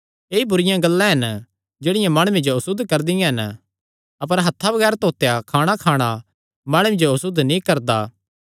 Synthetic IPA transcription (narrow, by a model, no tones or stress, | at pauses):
eːibʊɾɪjãɡɐlːãɦɐn | d͡ʒeːɽɪjãmaːɽ̃ʊwed͡ʒoɐsʊd̪ːkɐɾd̪ɪjãɦɐn | ɐp̬əɾɦɐt̪ʰːabɐɡɛːɾt̪oːt̪ejakʰaːɽ̃akʰaːɽ̃a | maːɽ̃ʊmed͡ʒoɐsʊd̪nĩkɐɾd̪aː